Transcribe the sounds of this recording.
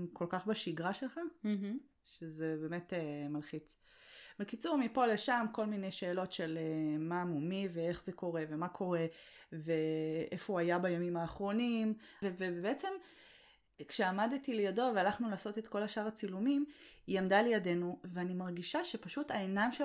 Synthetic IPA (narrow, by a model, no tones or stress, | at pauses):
ko̞lkaχbaʃiɡʁaʃelχa | ʃezebe̞me̞temalχit͡s | bekit͡suʁmipo̞leʃamko̞lmine̞jʃe̞ːlo̞tʃe̞lemaːmumivee̞χzeko̞ʁe̞ve̞makʰo̞ʁe̞veʔefoajabajamimaːχʁo̞nimvevebbeet͡se̞m | kʃeamadtilejado̞vealaχnulaːso̞te̞tko̞laʃaʁat͡silumimiamdalejade̞nuveanimaʁɡiʃaʃe̞paʃutaenamʃe